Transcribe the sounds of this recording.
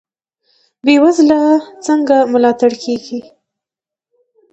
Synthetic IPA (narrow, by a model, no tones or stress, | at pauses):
bewazlat͡səŋɡamʊlɑt̪aɽkʰeɡi